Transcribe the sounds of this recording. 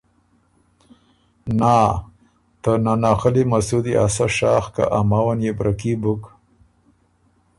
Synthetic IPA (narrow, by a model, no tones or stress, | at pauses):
naː | t̪ənanɑːxəlimasud̪iʔasaʃɑxka̰ʔamawanjebɾʔakibʊk